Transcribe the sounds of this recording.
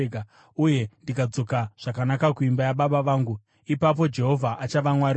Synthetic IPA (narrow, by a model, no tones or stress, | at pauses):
a | uje̞ndikad͡zo̞kaʐ̥akanakakuimbajaɓaɓaʋaːŋɡu | ipap̬o̞d͡ʒe̞ɦo̞vʱaʔat͡ʃaʋamwari